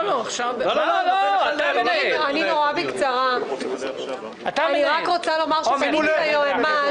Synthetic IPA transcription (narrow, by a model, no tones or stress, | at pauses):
loaχʃavo | ananinoʁabikt͡saʁa | ataniʁakʁot͡salo̞maʁʃelajoema